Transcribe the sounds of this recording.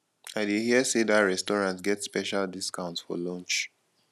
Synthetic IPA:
aɪdehiəsedaɹɛstɔɹãntsɡɛtspɛʃaldiskãʊ̃ntsfɔ̰lɔ̃nt͡ʃ

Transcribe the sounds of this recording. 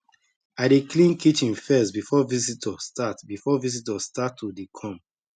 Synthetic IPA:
aɪdeklĩnkit͡ʃĩnfɛstbifɔvisitʰɔstatbifɔvisitɔstatʰːudikʰɔ̃m

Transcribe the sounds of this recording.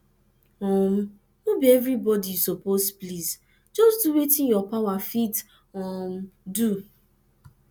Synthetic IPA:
ɔm̩ | mubievɾibɔdijusopospliz | d͡ʒɔsduwetĩnjɔpawafit | ɔm̩du

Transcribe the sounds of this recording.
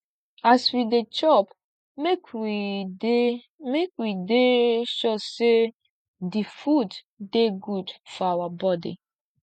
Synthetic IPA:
aswidet͡ʃɔp | mek | mekwideʃɔse | difud | deɡudfɔawabɔdḭ

